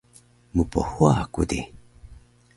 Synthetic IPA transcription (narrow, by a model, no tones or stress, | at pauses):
mupo̰huakṵdi